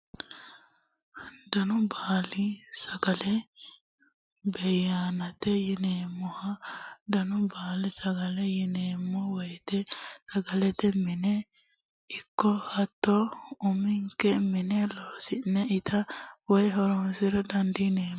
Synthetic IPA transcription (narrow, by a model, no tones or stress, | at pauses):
d̪ɐnʊbaːlɪsɐɡɐlɛ | bɛjaːnɐt̪ɛjɪneːmːɔhɐd̪ɐnʊbaːlɪsɐɡɐlɛjɪneːmːɔwɔjt̪ɛsɐɡɐlɛt̪ɛmɪnɛ | ɪkːɔhɐt̪ːɔʊmɪŋkːɛmɪnɛloːsɪnːɛɪt̪ʰɐwɔjɦɔɾɔnsɪɾɐd̪ɐnd̪ɪneːm